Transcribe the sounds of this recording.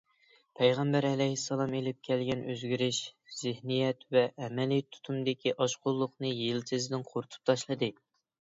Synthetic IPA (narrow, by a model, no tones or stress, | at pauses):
pʰɛjʁæmbæɾɛlɛjhisːɑlˠɑmelɪp̚kʲʰɛlɡʲɛnøzɡʲyɾɪʃz̥ɪhnijɛt̪vɛʔːmɛlijt̪ʰu̥t̪ʰumd̪ɪkʲiʔɑʃqʊlˠːʊχnɨjelsɪzd̪ɪnqʰoɾut̪ʰu̥p̚t̪ʰɑʃlˠɨd̪ɨ